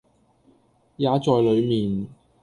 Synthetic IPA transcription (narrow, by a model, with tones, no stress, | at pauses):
jaː˨˧t͡sɔː˨˧jlɵ˨˧ɥmiː˨n